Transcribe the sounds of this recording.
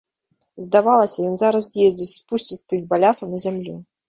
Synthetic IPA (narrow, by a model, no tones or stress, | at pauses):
zd̪avalˠɐsʲɐjɔnzaɾɐsjezʲd͡zʲit͡sʲspusʲt͡sʲit͡sʲt̪ɨxbalʲasɐwnɐzʲamlʲu